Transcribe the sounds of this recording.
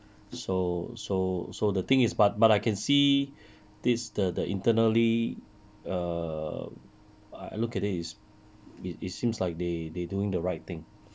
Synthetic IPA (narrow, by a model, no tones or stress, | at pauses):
sososodət̪ɪ̃ŋɪsbat̚batajkʰɛ̃nsi | dɪsdədəʔḭ̃ntənəli | ʌ | a̰a̰lukɛtɪtɪts | ititsĩmslaɪk̚dededuɪ̃ŋdəɹaɪt̚t̪ɪ̃ŋ